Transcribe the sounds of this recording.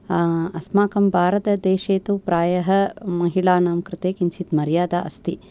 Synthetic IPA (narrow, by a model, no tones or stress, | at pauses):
ɐsmaːkɐmbʱaːɾɐt̪ɐd̪eːʃeːt̪upɾaːjɐɦɐmɐɦiɭaːnaːmkɾɨt̪eːkint͡ʃit̪mɐɾjaːd̪a̰ːʔɐ̰st̪i